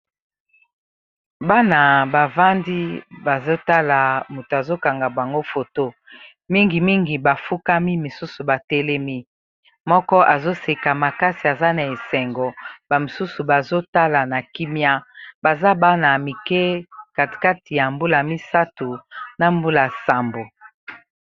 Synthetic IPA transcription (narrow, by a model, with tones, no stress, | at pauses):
ba˦na˨ba˨va˦ndi˦ba˨zo˦ta˦la˨mu˨to˨a˨zo˦ka˨ŋɡa˨ba˨ŋɡo˦fo˨to˦ | mi˦ŋɡi˨mi˦ŋɡi˨ba˨fu˦ka˦mi˦mi˨su˦su˨ba˨tɛ˦lɛ˦mi˦ | mɔ˦kɔ˦ʔa˨zo˦se˨ka˨ma˨ka˦si˨a˨za˦na˨e˨sɛ˨ŋɡɔ˨ba˨mi˨su˦su˨ba˨zo˦ta˦la˨na˨ki˦mja˦ba˨za˦ba˦na˨mi˨kɛ˦ka˨ti̥˨ka˦ti˨ja˨mbu˦la˨mi˦sa˦tu˨na˦mbu˦la˨sa˨mbo˨